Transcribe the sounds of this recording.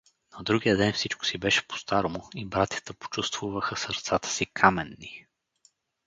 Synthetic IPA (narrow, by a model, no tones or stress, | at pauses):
nɐd̪ɾuɡijəd̪ɛnfsit͡ʃko̥sibɛʃɛ̥po̥st̪aɾomʊibɾat̪ʲjɐ̥t̪əpo̥t͡ʃust̪vuvəxəsəɾt̪sat̪ə̥sikʰamɛnːi